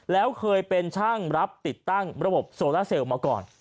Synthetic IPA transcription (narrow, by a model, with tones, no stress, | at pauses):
lɛː˦˥wkʰɤː˧jpe˧nt͡ɕʰaː˥˩ŋɾa˦˥p̚t̪i˨˩t̪ːa˥˩ŋɾa˧bo˨˩p̚soː˧laː˥˩se˧wmaː˧kɔ̰ː˨˩n